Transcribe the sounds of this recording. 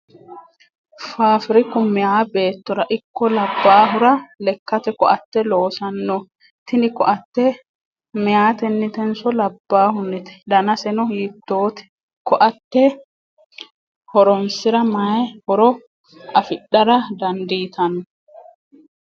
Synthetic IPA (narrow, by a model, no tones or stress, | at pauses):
faːfɪɾɪkʊmɪjaːbe̞ːt̪ːɔɾɐʔɪkːɔlɐbːaːɦʊɾɐlɛkːɐt̪ɛkɔʔɐt̪ːɛlo̞ːsɐnːɔ | t̪ɪnɪkɔʔɐt̪ːɛ | mɪjaːt̪ɛnːɪt̪ɛnsɔlɐbːaːhʊnːɪt̪ɛ̥d̪ɐnɐsɛnɔhiːt̪ːoːt̪ɛ̥ | kɔʔɐt̪ːɛ | hɔɾɔmsɪɾɐmɐjhɔɾɔ | ɐfɪɗːɐɾɐd̪ɐnd̪iːt̪ʰɐnɔ